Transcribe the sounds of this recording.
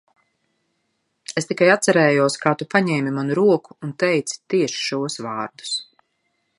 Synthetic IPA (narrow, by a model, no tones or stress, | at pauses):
est̪ikajat̪saɾɛːjuɔskaːt̪upaɲɛːmimanuɾuɔku̥ːnt̪ɛjt̪si̥t̪iɛʃi̥ʃuɔsʋvaːɾd̪u̥s